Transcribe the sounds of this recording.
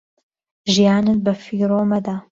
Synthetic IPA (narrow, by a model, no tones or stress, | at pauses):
ʒijaːnɨt̪̚bɐfiːɾoːmɐd̪aː